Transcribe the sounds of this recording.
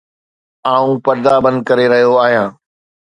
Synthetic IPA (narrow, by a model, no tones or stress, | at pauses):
aːũpɐɾd̪abɐ̃nd̪̚kɐɾeɾɐɦijoaːɦijãː